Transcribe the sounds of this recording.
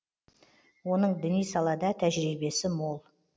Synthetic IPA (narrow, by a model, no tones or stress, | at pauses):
wo̞nəɴd̪ɪnijsɑlˠɑd̪ɑt̪ʰæʒɾibe̞sɪmo̞lˠ